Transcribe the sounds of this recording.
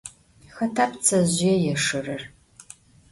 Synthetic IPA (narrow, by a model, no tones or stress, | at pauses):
xɐtʰaːpt͡sʰɐʑɪjɛjɛʂɨrɐr